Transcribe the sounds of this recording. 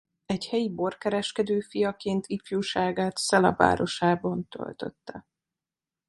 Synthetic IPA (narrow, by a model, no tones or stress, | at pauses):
ɛɟhɛjibo̞rkɛɾɛʃkɛd̪øːfijɒkeːnt̪ʰifjuːʃaːɡaːt̪sɛlɒ̰va̰ːɾo̞ʃaːbɒnt̪ø̰lt̪ø̰t̪ːɛ